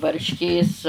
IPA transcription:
ʋɐrʲʃʲˈkʲeːs

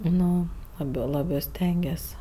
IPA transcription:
ˈnʊ ˈlˠɑːbʲeː ˈlˠɑːbɜ ˈsʲtʲɛŋʲɡʲiɛs

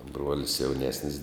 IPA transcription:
ˈbruɔlʲɪs jɛʊˈnʲæːsʲnʲɪs

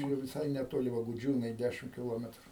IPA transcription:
jɛʊ ʋʲɪˈsɐɪ nʲɛˈtoːlʲɪ ʋɐ ɡʊˈd͡ʒʲuːnɐɪ ˈdʲæʃʲɪm kʲɪˈlˠoːmʲɛtrʊ

